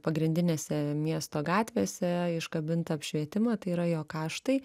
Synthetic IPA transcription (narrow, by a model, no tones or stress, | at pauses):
pɐɡɾʲɪnʲd̪ʲɪnʲeːsʲɛmʲiɛst̪oːɡɑːt̪ʲʋʲeːsʲɛɪʃkɐbʲɪnt̪ɐɐpʲʃʲʋʲiɛt̪ʲɪmɐt̪ɐɪiɾɐjoːkɑːʃt̪ɐɪ